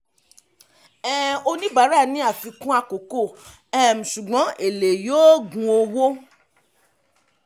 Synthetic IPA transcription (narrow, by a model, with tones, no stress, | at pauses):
ɛ˦o˧nĩ˦ba˨˦ɾa˦˨nĩ˨˦a˦˨fi˧kũ˦a˧ko˨ko˦˨ | ɛ˦m̩˨ʃu˨ɡ͡bɔ̃˨˦e˨le˨joː˦ɡũ˧o˧wo˦